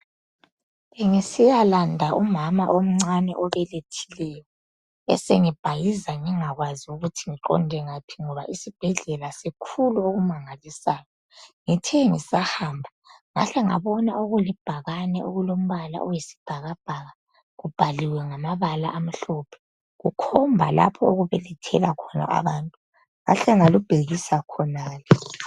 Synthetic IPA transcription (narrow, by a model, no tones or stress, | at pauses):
eŋisijalandʱaʔumamaʔom̩ŋ͡ǀanɛ̰ʔɔβɛletʰi̥lɛjɔ | ɛ̰seŋib̥ʱajizaŋiŋaɣwaziuɣutʰiŋiǃɔ̰ndʱɛŋapʰi̥ŋɔβaʔisib̥ʱɛɮɛlasikʰuluoɣumaŋalisaːjɔ | ŋitʰɛŋisahaːmbʱa | ŋa̰ɬɛŋaβɔnaoɣulib̥ʱaɣanɛoɣulom̩βala̰ʔɔjisi̥b̥ʱaɣab̥ʱaːɣa | ɣub̥ʱaliwɛŋamaβala̰ʔam̩ɬɔpʰɛ̥ | ɣukʰɔmbʱala̰pʰɔoɣuβɛlitʰɛlakʰɔna̰a̰βaːntʼu | ŋa̰ɬɛŋalub̥ʱeɣisakʰɔnaːlɛ